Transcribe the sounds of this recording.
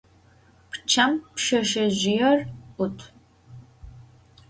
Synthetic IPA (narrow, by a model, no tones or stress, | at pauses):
pʰt͡ʃʰɐmpʃɐʃɐʑɪjɛrʊtʰ